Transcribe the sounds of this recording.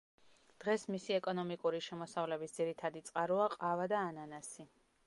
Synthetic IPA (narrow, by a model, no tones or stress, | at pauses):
d̪̥ʁɛsmisiɛkʼɔnɔmikʼuɾiʃɛmɔsavlɛbisd̪ziɾit̪ʰad̪it̪sʼqʼaɾuaqʼavad̪aːnanasi